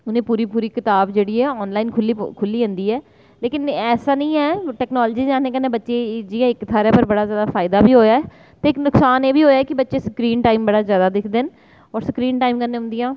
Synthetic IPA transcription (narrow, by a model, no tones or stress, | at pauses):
ʊnẽːpuːɾiːpuːɾiːkɪt̪aːbd͡ʒeːɽiːɛːɔːnlaːinkʰʊlːikʰʊlːiːɦʊ̃nd̪iːɛː | leːkɪnɛːsaːnə̃ĩːɛːʈɛːknɔːld͡ʒiːd͡ʒãːneːkənːẽːbətːʃeːd͡ʒiːjãːɪkːt̪ʰːaːɾeːpəɾbəɽaːzjaːd̪aːfʰaːɪd̪aːbʱiːɦoːjaːɛː | t̪eːɪknʊksaːneːbʱiːɦoːjaːɛːkɪbətːʃeːsəkɾiːnʈaːimbəɽaːzjaːd̪aːd̪ɪkʰd̪eːn | ɔːɾsəkɾiːnʈaːimkəɾneːɦʊ̃nd̪ɪjãː